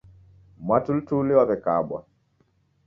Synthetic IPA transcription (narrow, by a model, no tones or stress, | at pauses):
mwatul̩tuliwaβɛkaɓwa̰